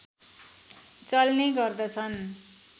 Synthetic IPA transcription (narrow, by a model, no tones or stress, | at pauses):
t͡sʌlneɡʌrd̪ʌt͡sʰʌn